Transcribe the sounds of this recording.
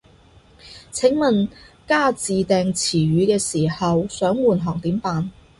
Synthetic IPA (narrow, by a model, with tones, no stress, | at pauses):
t͡sʰɪ˨˥ŋmɐ˨nkaː˥t͡siː˨t̪ɛː˨˧ŋt͡sʰiː˨˩ɥyː˨˧kɛː˧siː˨˩hɐ˨wsœː˨˥ŋwuː˨˩nɦɔː˨˩ŋt̪iː˨˥mpaː˨˧n